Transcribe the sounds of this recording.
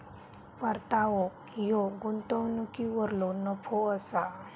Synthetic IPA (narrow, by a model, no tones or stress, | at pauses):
paɾt̪aʋɔ | joɡunt̪əwnukiʋəɾlonəpʰoəsa